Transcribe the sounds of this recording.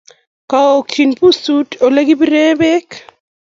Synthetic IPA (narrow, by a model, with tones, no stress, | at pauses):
ka˨o˨kt͡ʃi˨npu˦su˦to˨le˦ɡi˦bi˦ɾe˦be˦k